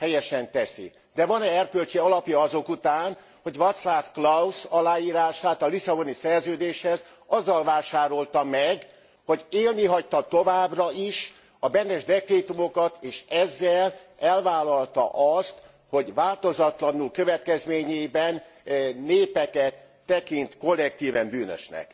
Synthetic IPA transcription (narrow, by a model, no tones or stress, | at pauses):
hɛjɛʃɛnt̪ɛsḭ | d̪ɛvɒnɛɛrpølt͡ʃeɒlɒpjɒɒzo̞kut̪aːn | ho̞ɟʋɒt̪slafklɒusɒlaːjiːɾaːʃaːt̪ɒlisɒbonisɛrzøːd̪eːʃhɛz | ɒzːɒlvaːʃaːɾo̞lt̪ɒmɛɡ | ho̞ɟeːlniɦɒct̪ɒt̪o̞vaːbrɒiʃ | ɒbɛnːɛʒd̪ɛkreːt̪umo̞kɒt̪eːʃɛzːɛlɛlvaːlɒlt̪ɒ̰ʔɒst̪ | ho̞ɟvaːlt̪o̞zɒt̪lɒnulkø̞vɛt̪kɛzmeːɲebɛnː | eːpɛkɛt̪ːɛkint̪ko̞lːɛk̚t̪iːvɛmbyːnø̰ʃnɛ̰k